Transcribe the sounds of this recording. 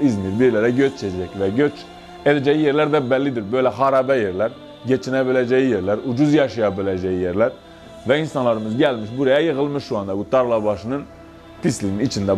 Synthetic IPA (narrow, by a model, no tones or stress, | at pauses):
izmiɾbiɾlæɾæɟøt͡ʃt͡ʃʰɛd͡ʒɛcvɛɟøt͡ʃ | ed̪ɛd͡ʒɛjijeɾlæɾd̪æbælːid̪iɾbøjlæχɑɾɑbɛjeɾlæɾ | ɟet͡ʃʰinɛbilæd͡ʒɛjijeɾlæɾud͡ʒuzjɑʃɑjɑbilɛd͡ʒɛjijeɾlæɾ | væinsɑnlˠɑɾɯmɯzɟælmiʃbuɾɑjɑjɯʁɯlˠmɯʃːuɑnd̪ɑbut̪ʰɑɾlˠɑbɑʃɯnɯn | t̪ʰislininit͡ʃʰind̪æ